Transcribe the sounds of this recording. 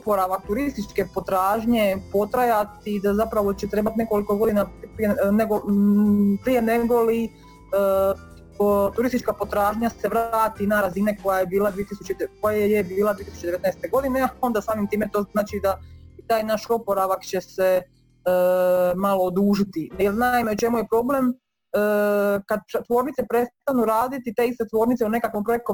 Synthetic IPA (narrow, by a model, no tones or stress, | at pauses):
opo̞ɾaʋak̚t̪uɾist̪it͡ʃke̞po̞t̪ɾaːʒɲepo̞t̪ɾajat̪id̪azapɾaʋo̞t͡ɕet̪ɾe̞ːbat̪ine̞ko̞liko̞ɡo̞d̪inapieneɡo | pɾije̞ne̞ɡoli | t̪uɾist̪it͡ʃkapo̞t̪ɾaːʒɲase̞ʋɾaːt̪inaɾazineko̞jajebiːlad̪ʋiet̪isut͡ɕekojejebiːlˠad̪ʋiet̪isut͡ɕed̪eʋet̪najst̪eɡo̞d̪ineao̞nd̪asaːmimt̪iːmet̪o̞ːnaːt͡ʃid̪ait̪aːjnaʃopoɾaʋakt͡ɕe̞se | maloːd̪uːʒit̪ijelnaimeut͡ʃe̞mujepɾo̞ble̞mː | kad̪̚t̪ʋo̞ːɾnit̪sepɾe̞st̪anuɾaːd̪it̪it̪e̞ist̪et̪ʋo̞ːɾnit̪seune̞kakʋompɾo̞jek̚t̪o